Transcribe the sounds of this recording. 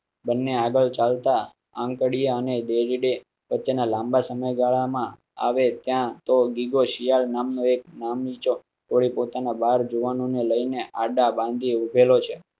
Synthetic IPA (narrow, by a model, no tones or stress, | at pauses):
bənːeaɡəɭt͡ʃalt̪a | ãŋkəɽijaəned̪eɾiɖe | ʋətːt͡ʃenalãmbasəməjɡaɭamã | a̰ʋet̪jãt̪oɡiɡoʃijalnamnoek̚namnit͡ʃo | t̪ʰoɽipot̪anabaɾd͡ʒuʋanõneləineʔaɖabãnd̪ʱiubʱelot͡ʃʰe